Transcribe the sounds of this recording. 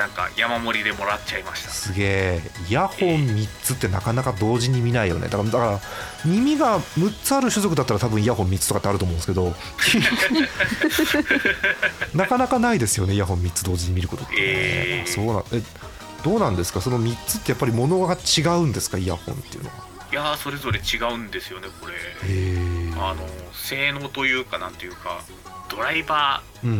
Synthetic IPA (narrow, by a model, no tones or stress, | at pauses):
nãŋka̰jamamo̞ɾʲid̪e̞mo̞ɾatt͡ɕaimaɕi̥t̪ḁsɨɡe̞ːijahõ̞mmʲit͡sɨt̪ːe̞nakanakad̪o̞ːʑiɲ̟imʲinaijo̞̰ned̪akad̪akaɾa | ɲ̟imʲiɡamɯ̟tt͡sɨaɾɯ̟ɕɨzo̞k̬ɯ̟d̪at̪ːaɾat̪abɯ̟̃ɰ̃iahõ̞mːʲitt͡sɨ̥tokat̪ːeaɾɯt̪omõnsɨke̞d̪o̞ | nakanakanaid̪e̞sɨjo̞ne̞ijaɦõ̞mːʲit̪t͡sɨd̪o̞ːziɲ̟imʲiɾɯ̟ko̞t̪o̞t̪ːso̞ːnã̰ʔe | d̪̥o̞ːnãnd̪esɨ̥kaso̞no̞mʲitt͡sɨ̥t̪ːe̞japːaɾʲimo̞no̞ɡat͡ɕiɡaɯ̟̃nd̪e̞sɨ̥kaia̰hõ̞̰nt̪ejɯ̟̰no̞̰ɡa̰ | jaso̞ɾe̞zo̞ɾe̞t͡ɕiɡaɯ̟̃nd̪e̞sɨjo̞ne̞ko̞ɾe̞eano̞se̞ːno̞ːt̪o̞jɯ̟ːkanãnt̪ejɯ̟ːka̰ | d̪̥o̞ɾaibaː | ɯ̟̃ɴ